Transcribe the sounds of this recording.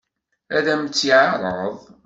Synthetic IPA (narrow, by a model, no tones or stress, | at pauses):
æðæmt͡sːiʕaɾˤəðˤ